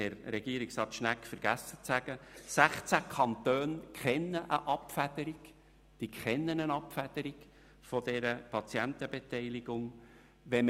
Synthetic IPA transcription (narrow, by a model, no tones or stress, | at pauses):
ɛɾɾɛɡ̥iəɾiksɑːt̪ʃnækfəɾɡ̥æsːət͡sæɡ̥əsæχt͡sækʰɑnt̪øːnkχɛnːəʔəʔɑpfæd̪̥əɾik | d̥ikχɛnːənənɑpfæd̪̥əɾiɡ | fɔd̪ɛɾəpʰɑt͡siænt̪əbet̪ɛɪliɡʊŋ | ʋɛm